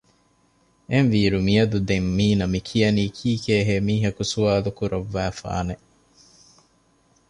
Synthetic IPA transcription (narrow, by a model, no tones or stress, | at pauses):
enʋiːɾumijɐd̪ud̪emːiːnɐmikʰijɐniːkʰiːkeːɦeːmiːɦɐkusuaːlukuɾɐʋːæːfa̰ːne